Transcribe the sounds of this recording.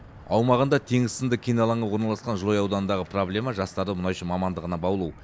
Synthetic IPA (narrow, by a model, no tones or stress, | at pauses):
ɑwmɑʁənd̪ɑt̪ʰe̞ŋɪssɪnd̪ɪkʲʰijnɑlˠɑɴwo̞ɾnɑlˠɑsqɑnʒəlˠojɑwd̪ɑnənd̪ɑʁəpʰroblʲe̞mɑʒɑst̪ɑɾd̪əmʊnɑjʃɑmɑmɑnd̪əʁənɑbɑwlˠuw